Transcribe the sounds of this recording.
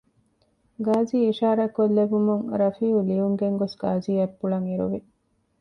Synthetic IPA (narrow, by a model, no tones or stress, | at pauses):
ɡaːziːiʃaːɾɐkolːebumuŋɾɐfiːuliuŋɡeŋɡosɡaːziːɐpːuɭɐŋiɾṵʋi